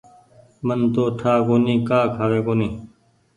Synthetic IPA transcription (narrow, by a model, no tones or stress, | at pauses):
mənt̪oːʈʰaːkoːnĩːkaːkʰaːʋeːkoːniː